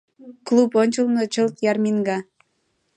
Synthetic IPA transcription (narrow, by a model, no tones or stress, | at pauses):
kluponʲt͡ɕəlnɤt͡ɕəlt̪jɑrmiŋɡɑ